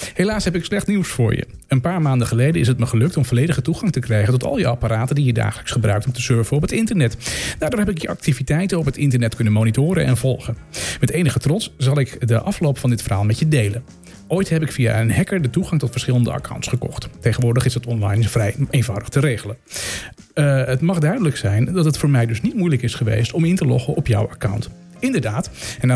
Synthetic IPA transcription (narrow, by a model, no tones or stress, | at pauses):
helaːsɦɛpɪkslɛχtniwsfʊ̰ːɹjə̰ | ənpaːɹmaːndəχəlejdəɪsətməχəlɵk̚tɔmvɔlejdəχətuχɑŋtəkrɛjχəntɔtɑ̰lˠjəɑparaːtəndijəda̰ːχələksχəbrœ̰ɥktɔmtəsøɹvəɔpətɪntəɹnɛtd̥aːɹdʊːɹɦɛpɪkjəʔɑ̰k̚tivitɛjtənɔpɦətɪntəɹnɛtkɵnənmoːnitʊːɾə̰nɛ̰nvɔlˠχənmɛtejnəχətrɔtsz̥ɑlˠɪkdəʔɑflowpfɑndɪtfərɦa̰ːlˠmɛtədejlən | ojtɦɛpɪkfia̰ənɦɛkəɹdətuχɑŋtɔtfəɹsχɪlˠəndə̰a̰kʰa̰wntsχəkɔ̰χttejχənʋʊːɹdəχɪsdətɔnlɑjnfrɛjejnvawdəχtəɾejχələn | ətmɑχdœɥdələksɛjndɑtətfʊːɹmɛjdɵsnitmujləkɪsχəʋḛjstɔmɪntəlɔ̰χəʔɔpjɔ̰waka̰wnt | ɪndəɹdaːtɛn